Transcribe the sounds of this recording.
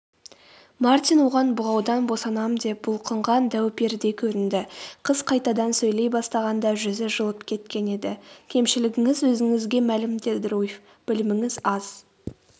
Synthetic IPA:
mɑrt̪ʲijnwoʁɑnbʊʁɑwd̪ɑnbo̞sɑnɑmd̪e̞p̚b̥ʊlˠqʰəɴʁɑnd̪æwpe̞ɾd̪e̞kʲʰɵɾɪnd̪ɪqʰəz̥qʰɑjt̪ɑd̪ɑnsɵjle̞jbɑst̪ɑʁɑnd̪ɑʒʏzɪʒəlˠəpkʲʰe̞t̪̚kʲe̞ne̞d̪ɪkʲʰe̞mʃɪlɪɡʲɪŋɪzwɵzɪŋɪzɡʲe̞mælɪmd̪ed̪ɪɾujɪf | b̥ɪlɪmɪŋɪzɑz̥

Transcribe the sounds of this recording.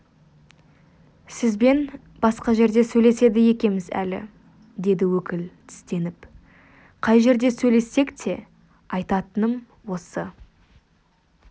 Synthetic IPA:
sɪzbe̞n | b̥ɑsqɑʒe̞ɾd̪e̞sɵjle̞se̞d̪ɪje̞kʲe̞mɪzæ̰lɪ̰ | d̪e̞d̪ɪwɵkʲɪlt̪ʰɪ̥st̪e̞nɪp | qʰɑjʒe̞ɾd̪e̞sɵjle̞sːe̞kt̪ʰe̞ | ɑjt̪ɑt̪ənəm | wo̞sə

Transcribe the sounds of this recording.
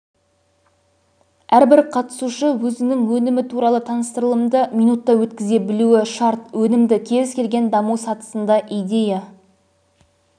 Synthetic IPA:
æɾbɪɾqʰɑt̪ə̥suʃəwɵzɪnɪŋwɵnɪmɪt̪ʰuɾɑlˠət̪ʰɑnəst̪əɾəlˠəmd̪əmʲijnut̪ːɑwɵt̪kʲɪze̞bɪluwɪʃɑɾt̪wɵnɪmd̪ɪkʲʰe̞ɾɪskʲʰe̞lɡʲe̞nd̪ɑmusɑt̪ə̥sənd̪ɑʔijd̪e̞ja

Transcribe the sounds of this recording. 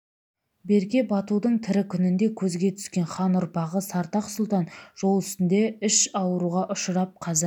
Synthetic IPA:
be̞ɾkʲe̞bɑt̪ud̪əɴt̪ʰɪɾɪkʲʰʏnɪnd̪e̞kʲʰɵzɡʲe̞t̪ʰʏ̥skʲe̞nχɑnʊɾpɑʁəsɑɾt̪ɑqsʊlˠt̪ɑnʒ̥o̞lˠʏst̪ɪnd̪e̞ɪʃɑwəɾuʁɑʔʊʃəɾɑp̚qʰɑzɪɾ

